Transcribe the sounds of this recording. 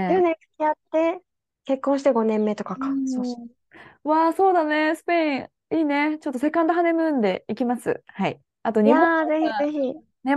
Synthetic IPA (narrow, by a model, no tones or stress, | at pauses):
onẽkkʲiat̪ːe̞ | ke̞kːõɰ̃ɕi̥t̪eɡo̞nẽ̞mːe̞t̪o̞kakḁso | βaso̞ːd̪ane̞sɨ̥peĩ | iːne̞t͡ɕo̞t̪ːo̞se̞kãnd̪aɦane̞mɯ̟nd̪e̞ikʲimasɨ̰hai | at̪oɲiaõze̞çize̞çi | ne